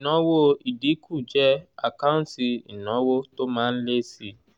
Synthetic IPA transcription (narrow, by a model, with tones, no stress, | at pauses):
nɔ̃˨˦wo˦i˨di˨˦kʰu˦˨d͡ʒɛ˦a̰˨ka˦ũ˦n˦ti˧i˨nɔ̃˨˦wo˦to˦mãː˦n̩˦le˦si˧˦